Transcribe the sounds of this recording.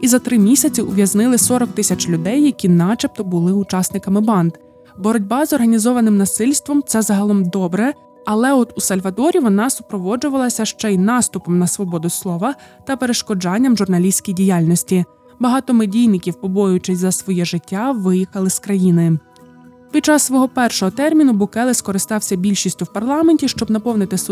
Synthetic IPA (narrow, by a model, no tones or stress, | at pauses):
izɐt̪ɾɪmʲisʲɐt͡sʲiʔʊʋʲjɐznɪlˠɪsɔɾɔk̚t̪ɪsʲɐt͡ʃlʲʊd̪ɛjːɐkʲinɑt͡ʃɐp̚t̪ɔbʊlˠɪʊt͡ʃɑsnɪkɐmɪbɑnd̪ | bɔɾɔdʲbɑzɔrɦɐnʲizɔʋɐnɪmnɐsɪlʲst̪ʋɔmt̪sɛzɑɦɐlˠɔmd̪ɔbɾɛ | ɐlˠɛɔt̪usɐlʲʋɐd̪ɔɾʲiʋɔnɑsʊ̥pɾɔʋɔd͡ʒʊʋɐlˠɐsʲɐʃt͡ʃɛinɑst̪ʊpɔmnɐsʋɔbɔd̪ʊslˠɔʋɐ | t̪ɐpeɾeʃkɔd͡ʒɑnʲːɐmʒʊrnɐlʲisʲkʲijdʲijalʲnɔsʲtʲi | bɐɦɑt̪ɔmɪdʲijnɪkʲiwpɔbɔjʊt͡ʃɪsʲzɐsʋɔjɛʒɪtʲːaʋɪjixɐlˠɪskɾɐjinɪ | pʲi̥t͡ʃɑssʋɔɦɔpɛrʃɔɦɔt̪ɛrmʲinʊbʊkɛlˠɪskɔɾɪst̪ɑwsʲɐbʲilʲʃisʲtʲʊwpɐrlˠɑmenʲtʲiʃt͡ʃɔbnɐpɔwnɪt̪ɪs